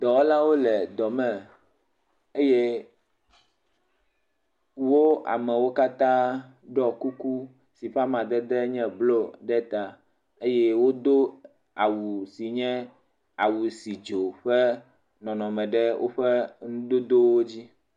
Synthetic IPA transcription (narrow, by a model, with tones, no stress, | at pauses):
d̪ɔ˨˦la˦wo˦lɛ˨d̪ɔ˨mɛ̃˨ | e˦je˦ | wo˦a̰˨mɛ̃˨wo˦ka˦t̪ã˦ | ɖɔ˦ku˦ku˦ | si˨ɸa˦mã˨d̪ɛ˦d̪ɛ˦ɲɛ̃˦blo˦ɖɛ˦t̪a˨ | e˦jɛ˦wo˦d̪o˦ | a˨wu˨si˨ɲɛ̃˦ | a˨wu˨si˨d͡ʒo˨ɸɛ˦ | nɔ̃˨nɔ̃˨mɛ̃˨ɖɛ˦wʔo̰˦ɸɛ˦ŋũ˦d̪o˦d̪o˦wo˦d͡ʑi˦